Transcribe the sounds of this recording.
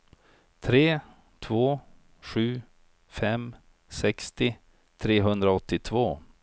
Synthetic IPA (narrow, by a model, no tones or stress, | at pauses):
t̪ʰɾeː | t̪ʰvoː | ɧʉ̟ː | fɛm | sɛkst̪ɪ | t̪ʰɾeːɦɵnd̪ɾaɔt̪ːɪt̪ʰvoː